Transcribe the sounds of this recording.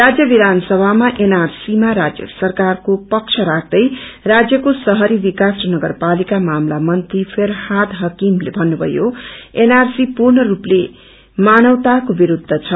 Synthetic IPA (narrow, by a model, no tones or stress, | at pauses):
rad͡zjʌbid̪ʱansʌbʱamaʔenarsimaɾad͡zjʌ̰sʌrkarkopʌk̚t͡sʰʌɾak̚ʰd̪ʌjrad͡zjʌkosʌɦʌɾibikasnʌɡʌrpalikamamlamʌnt̪ripʰeɾhad̪ɦʌkimlebʱʌnːubʱʌ̰joenarsipurnʌruple | manʌwt̪akobiɾud̪ʱːʌt͡sʰʌ